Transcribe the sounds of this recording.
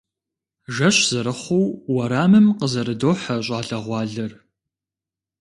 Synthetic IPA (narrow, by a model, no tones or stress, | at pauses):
ʒɐɕz̥ɨɾɨχʷowwɐɾaːmɨmqəzɐɾɨdoːħɐɕ̬ʷʼɑːɬɐʁʷɑːɮɐr